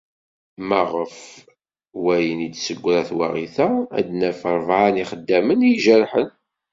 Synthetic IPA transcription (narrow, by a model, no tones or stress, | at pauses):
mæʁəf | wæjənid̪səɡʷːɾæθwa̰ʁiθææ̰d̪næfəɾˤvʕaniχəd̪ːæmənjʒəɾħən